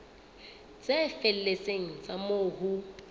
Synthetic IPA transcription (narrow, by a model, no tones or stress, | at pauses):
t͡sʼefel̩leseŋ̩t͡samoːhu